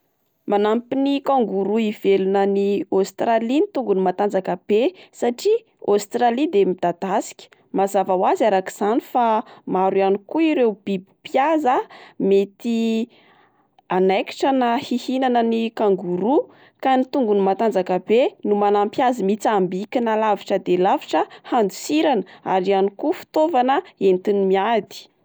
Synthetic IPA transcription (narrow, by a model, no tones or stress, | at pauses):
manampinikaŋɡuɾuivelunəniost̪ralinit̪uŋɡunimat̪and͡zakəb̥esaʈ͡ʂi | ost̪ɾalid̪emid̪̥ad̪̥asi̥kʲə̥ | mazavawazaɾaki̥z̥anifamaɾwanikuiɾewb̥ibi̥pjazamet̪i | anajki̥ʈ͡ʂənahihinanənikaŋɡuɾu | kanit̪uŋɡunimat̪and͡zakabenumanampjazimit͡sambikʲinalaviʈ͡ʂəd̪elaviʈ͡ʂəhand̪usiɾanəaɾianikufi̥t̪ovanəent̪inimiad̪i̥